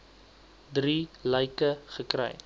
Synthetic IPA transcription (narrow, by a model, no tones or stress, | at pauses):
driləjkəχəkrɛ̰j